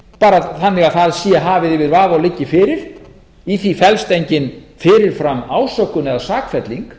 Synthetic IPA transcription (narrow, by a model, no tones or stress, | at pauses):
paːɾaθanːɪɣaðθaðsiːaɦaːvɪðɪvɪðɾvaːvawlɪcːɪfɪːɾɪɾ̥ | iθifɛlst̪ejɲcɪnfɪːɾɪɾ̥fɾamːaːwsœkːʏnɛðasaːkfɛt̪liŋk